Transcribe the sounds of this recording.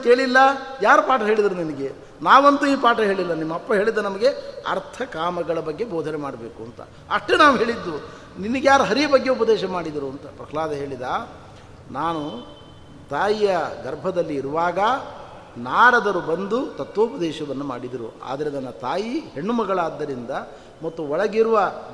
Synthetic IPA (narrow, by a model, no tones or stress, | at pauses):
ke̞ːɭilːɐjaːɾupaːʈɐɦe̞ːɭid̪ɐɾuninɐɡe̞ | naːʋont̪uiːpaːʈɐɦeːɭilːɐnimːɐpːɐɦe̞ːɭid̪ːɐnɐmɐɡe̞ɐ̰ɾt̪ʰɐkaːmɐɡɐɭɐbɐɡːe̞boːd̪ʱɐnemaːɽɐbeːkuɐnt̪ɐ̰ | ɐʂʈenaːʋuɦe̞ːɭid̪ːu | ninɐɡjaːɾuɦɐɾijɐbɐɡːe̞upɐd̪ɛːʃɐmaːɽid̪iɾuɐnt̪ɐpɾɐklaːd̪ɐɦe̞ːɭid̪aː | naːnu | t̪aːjijɐɡɐɾbʱɐd̪ɐlːiːɾuʋaːɡɐ | naːɽɐd̪ɐɾubɐnd̪ut̪ɐt̪ʋoupɐd̪ɛːʃɐʋɐnːuma̰ːɽid̪iɾṵa̰ːd̪ɐɾenɐnːɐt̪aːjiɦe̞ɳːumɐɡɐɭaːd̪ːɐɾind̪ɐ | mɐt̪ːuɔɭɐɡiɾuʋɐ